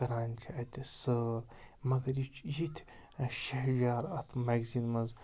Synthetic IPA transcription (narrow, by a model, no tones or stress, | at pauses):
ɐɾaːnt͡ʃʰiɐt̪ʲisəɾ | mɐɡɐɾjit͡ʃʰjit̪ʰʃɐɦʒaːɾɐt̪ʰmaɡzinmɐz